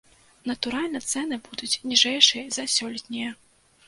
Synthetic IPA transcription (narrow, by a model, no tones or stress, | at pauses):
nɐt̪uɾalʲnɐt̪sɛn̪ɨbud̪ut͡sʲnʲiʐɛjʂɨjɐzɐsʲɔlʲit̪ʲnʲijɐ